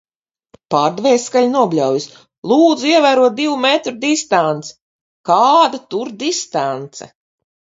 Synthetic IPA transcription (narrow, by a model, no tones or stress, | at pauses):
paːɾd̪vɛːsːkalʲnuɔbʲlʲawjis | lˠuːd̪zuiɛvæːɾuɔt̪̚d̪ivumɛt̪ɾud̪ist̪ant̪sɛ̥ | kaːd̪at̪uɾd̪ist̪ant̪sɛ̰